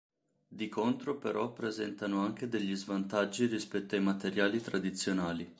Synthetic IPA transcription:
d̪ikʰont̪ɾopeɾʔɔpːɾezɛnt̪anoaŋk̟ed̪eʎːizvant̪ad͡ʒːiɾispɛt̪ːoajmat̪eɾjaːlit̪ɾad̪it̪sːjonaːli

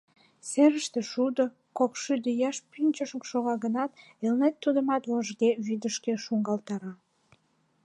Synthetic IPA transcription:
seɾəʃt̪ĕʃud̪ə | kokʃyd̪əjɑʃpynʲt͡ɕəʃəkʃoɣɑɣənɑt̪ | elnet̪ːud̪əmɑt̪voʒɡeβyd̪əʃkeʃuŋɡɑlt̪ɑɾɑ

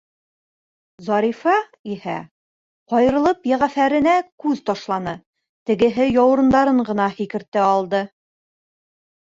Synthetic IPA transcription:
zɑɾifɑ | ihæ̰ | qɒjɤ̆ɾɤ̆lˠɤpjæʁæfæɾɘ̆nækʉðt̪ɑʃlˠɑnɤ | t̪ɘ̆ɡɘ̆ɦɘjɑw̆ɾɤ̆nd̪ɑɾɤɴɢɤ̆nɑhikɘ̆ɾt̪ɘɑlˠd̪ɤ

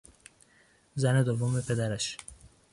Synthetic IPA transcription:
zæned̪ovːomepʰe̞d̪æɾæʃ

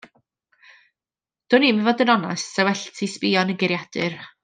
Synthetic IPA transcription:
d̥ʊniːməvɔdənɔnasːɛwɛɬtʰispɪɔnənɡɪɾjad̥ɨr

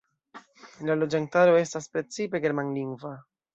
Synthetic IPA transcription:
lalo̞d͡ʒantaɾo̞e̞staspɾe̞t͡sipe̞ɡe̞ɾmanliŋɡva

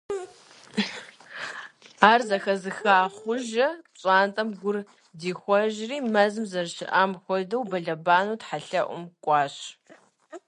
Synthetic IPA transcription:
aːrzɐxɐzɨxaːχʷʊʒɐɕʼaːntʼɐmɡʷʊr | diːxʷɔʒriːmɐzɨmzɐrʃɪ̰ʔaːmxʷɔdɐwbɐɮɐbaːnuːtħaɬɐʔʷʊ̰mkʷʼɑːɕ

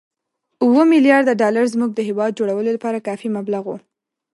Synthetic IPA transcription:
uwəmɪljɑɾd̪aɖɑlaɾzmuɡ̚d̪əɦɪwɑd̪̚d͡ʒoɽawəlolapɑɾakɑfimablaɣu

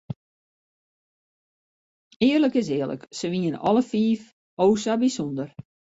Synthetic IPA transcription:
ɪːərləkɪs̬ɪːərlə̰ksəʋiənɔ̰ləfiːf | oːsabisondər

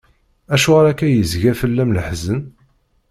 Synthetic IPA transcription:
æʃʊʁaɾækːæjəzʝæfəlːæmləħzən

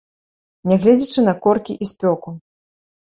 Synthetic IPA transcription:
nʲɛɣlʲɛd͡zʲit͡ʂɨnɐkɔrkʲiʔisʲpʲɔku

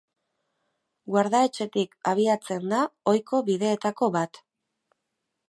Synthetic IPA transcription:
ɡwaɾðae̞t͡ʃe̞t̪ikaβ̞iat͡se̞nd̪ao̞jkʰo̞βiðe̞ːt̪ako̞βat̪

